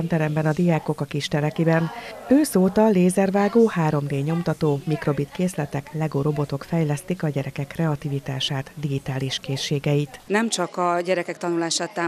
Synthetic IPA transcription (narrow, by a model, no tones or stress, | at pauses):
nt̪ɛɾɛmbɛnɒd̪ijaːko̞kɒkiʃt̪ɛɾɛkibɛnøːsoːt̪ɒleːzɛrʋaːɡoːhaːɾo̞md̪eːɲo̞mt̪ɒt̪oːmikro̞bit̪keːslɛt̪ɛklɛɡoːɾo̞bo̞t̪o̞kfɛjlɛst̪ikɒɟɛɾɛkɛkːrɛɒt̪ivit̪aːʃaːt̪d̪iɡit̪aːliʃkeːʃːeːɡɛjit̪nɛmt͡ʃɒkɒɟɛɾɛkɛk̚t̪ɒnulaːʃaːt̪ːaː